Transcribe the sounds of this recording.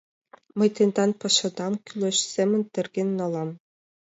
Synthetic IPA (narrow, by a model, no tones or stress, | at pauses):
mɤ̆jt̪ɤ̆nd̪ɑnpɑʃɑ̆d̪ɑmkʲylʲĕʃsemɘ̆nt̪ɘ̆rɡʲenːɑlˠɑm